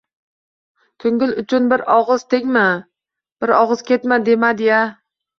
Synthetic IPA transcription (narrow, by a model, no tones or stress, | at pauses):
k̪ʰɵŋɡʲɪlʊt͡ʃʰʊnbɪɾɒʁɨz̥t̪ʰeŋma | b̥ɪɾɒʁɨz̥kʲʰe̞t̪mad̪e̞mad̪eja